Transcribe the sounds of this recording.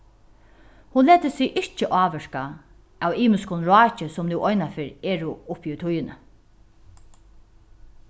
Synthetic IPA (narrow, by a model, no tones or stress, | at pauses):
hʊnleːt̪əsɪɣʔɪɹt͡ʃəʔɑːʋɛʂka | æwiːmɪskʊnɹɑːt͡ʃəsɔmnuwʔɔjnafɪːɾɛːɹʊʊpːiʊt̪ʰʊjnə̰